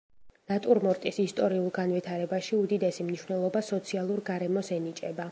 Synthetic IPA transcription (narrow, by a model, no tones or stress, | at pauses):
nat̪ʼuɾmɔɾt̪ʼisist̪ʼɔɾiulˠɡanvit̪ʰaɾɛbaʃiud̪id̪ɛsimniʃwnɛlˠɔbasɔt̪sʰialˠuɾɡaɾɛmɔsɛnit͡ʃʼɛba